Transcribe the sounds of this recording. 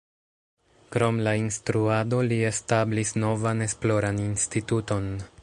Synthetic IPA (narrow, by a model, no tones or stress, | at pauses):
kɾo̞mlainstɾuado̞lie̞stablisno̞vane̞splo̞ɾaninstituto̞n